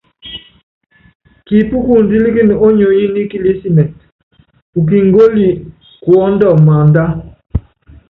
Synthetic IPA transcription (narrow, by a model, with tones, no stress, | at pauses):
ki˨pu˦ku˨n˨di˦li˦ki˦n˨o˦ɲo˨ji˦ni˦ki˦li˦si˦nɛ˨t | u˨k̬i˨ŋɡo˦li˨ | kwɔ˦ndɔ˦˨ma˨nda˦